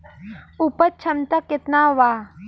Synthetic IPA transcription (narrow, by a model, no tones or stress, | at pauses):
upət͡ʃʰɐnt̪akɪt̪naːʋaː